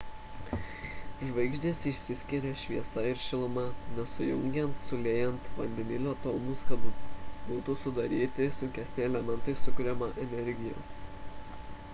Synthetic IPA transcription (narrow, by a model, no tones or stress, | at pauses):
ʒʋɐɪɡʒʲd̪ʲiːsɪʃʲsʲɪsʲkʲɪɾʲɛʃʲʋʲiɛsɐɪɾʃʲɪlˠmɑnʲɛsʊjʊŋʲɡʲɛnt̪sʊlʲeːjɛnt̪ʋɐnʲd̪ʲɪmʲɪlʲoːt̪olˠmʊskɐd̪ʊbuːt̪ʊsʊd̪ɐɾʲiːt̪ʲɪsʊŋʲkʲɛsʲnʲɪɛlʲɛmʲɛnt̪ɐɪsʊkʊɾʲɛmɐʔɛnʲɛɾʲɡʲɪjo̰ː